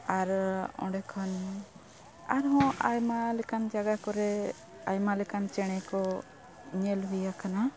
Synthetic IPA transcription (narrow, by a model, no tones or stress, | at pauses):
aɾɔ̰̃ɖɛkʰɔn | aɾɦɔ̃ajmalɛkand͡ʒaɡakɔɾɛ | ajmalɛkant͡ʃɛɽ̃ɛkɔ | ɲɛlɦujakana